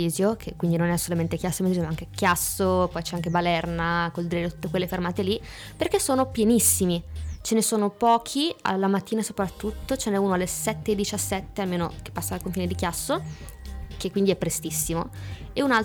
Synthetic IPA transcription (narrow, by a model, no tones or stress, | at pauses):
iːzjokʰekːwind̪inonɛasːolament̪ek̟jasːoimeizomaaŋkeɛkjasːopɔjt͡ʃɛaŋkebalɛrnakold̪ɾiɾet̪u̥t̪ːekwelːefermaːt̪eli | perkesːoːnopjenisːimit͡ʃenesoːnopɔːkʰia̰lːamat̪ːiːnasopɾat̪ːut̪ːot͡ʃenɛuːnoalːesɛt̪ːeːd̪ːit͡ʃasːɛt̪ːealmeːno̰ke̥pːasːaːlkoɱfiːned̪ikjasːo | kekːwind̪iɛpːɾest̪isːimo̰eunal